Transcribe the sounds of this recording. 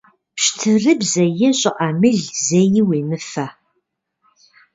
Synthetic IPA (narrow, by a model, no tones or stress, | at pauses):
pɕtʰɨrɨbzɐjɛɕʼɪʔamɨɮzejɪweːnɨfɐ